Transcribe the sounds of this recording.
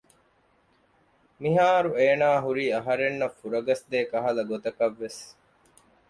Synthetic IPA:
miɦaːɾueːnaːɦuɾiːɐɦɐɾenːɐfːuɾɐɡɐsd̪eːkɐɦɐlɐɡot̪ɐkɐʋːes

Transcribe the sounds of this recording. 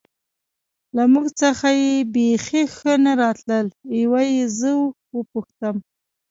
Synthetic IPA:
lamuɡt͡səxajebexexənaɾɑt̪ləlewajezəw | wəpuxt̪əm

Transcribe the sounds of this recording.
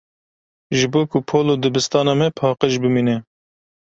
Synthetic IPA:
ʒɨboːkupʰoːloːd̪ɨbɨst̪ɑːnɑːmɛpʰɑːqəʃbɨmiːnɛ

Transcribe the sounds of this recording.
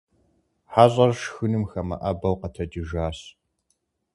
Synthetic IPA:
ħaːɕʼɐrʂxɨnɨmxɐmɐ̰ʔɐbɐwqɐtʰɐd͡ʒɪʒaːɕ

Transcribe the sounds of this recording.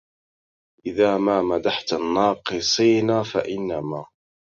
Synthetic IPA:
ʔɪðaːmaːmad̪aħt̪anːɑːqɨsˤiːnaːfaʔɪnːamaː

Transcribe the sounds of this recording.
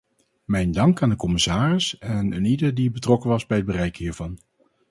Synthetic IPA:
mɛjndɑŋkaːndəkɔmɪsaːrɪsɛnnidəɹdibətrɔkənʋɑzbɛjəd̚bərɛjkɦiːɹvɑn

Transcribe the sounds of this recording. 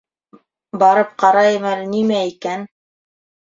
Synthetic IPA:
bɑɾɤp̚qɑɾɑjɤmælnimæikæn

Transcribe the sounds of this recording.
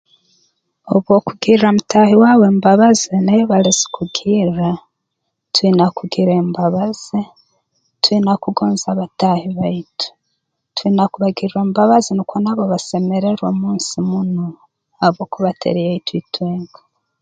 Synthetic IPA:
oβo̞kuɡiɾiɾomutahiwaːwe̞ːmbaβazenajoβalezi̥kuɡiɾa | twinakuɡiɾembaβaz̥e | twinakuɡoːnzaβatahiβaitu̥ | twinakuβaɡiɾɾembaβazinukwonaβoβase̞me̞ɾeɾwomuːnsimuno | aβoːkuβatʰḛɾejehitwitweːŋɡa

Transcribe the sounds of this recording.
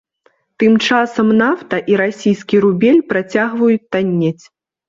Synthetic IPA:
t̪ɨmt͡ʂasɐmnaft̪ɐʔiɾasʲijskʲiɾubʲelʲpɾat͡sʲaɣvɐjut͡sʲt̪anʲːet͡sʲ

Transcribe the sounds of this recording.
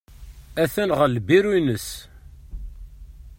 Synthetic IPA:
æθænʁəlbiɾinəs

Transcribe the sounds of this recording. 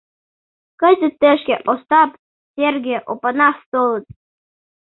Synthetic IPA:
kɤ̆zʲɘ̆t̪ːĕʃkʲeʔost̪ɑp | sʲerɡʲeʔo̰pɤnɑst̪olˠɤ̆t̪̚

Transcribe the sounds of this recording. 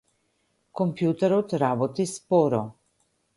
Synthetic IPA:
kɔmpjut̪ɛɾɔt̪ɾabɔt̪ispɔɾɔ

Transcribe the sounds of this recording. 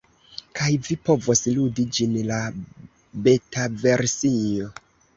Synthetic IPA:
kajvipo̞vosludid͡ʒinla | be̞tave̞ɾsio

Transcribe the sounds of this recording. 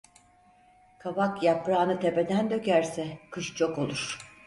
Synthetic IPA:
kʰabakjapɾaːnɯt̪ʰe̞pe̞d̪ænd̪ø̞kæɾsɛkʰɯʃt͡ʃʰo̞ko̞lˠuɾ̥

